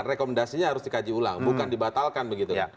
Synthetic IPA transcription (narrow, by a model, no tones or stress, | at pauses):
rekomɛndasiɲaɦaɾʊsdikad͡ʒiula̰ŋbukandibat̪alkanbəɡit̪ukan